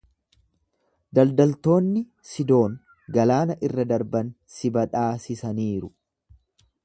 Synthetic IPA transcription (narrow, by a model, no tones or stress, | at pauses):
d̪ɐld̪ɐlt̪o̞ːnːɪ | sɪd̪o̞ːŋ | ɡɐlaːnɐʔɪrːɐd̪ɐɾbɐn | sɪbɐᶑaːsɪsɐniːɾʊ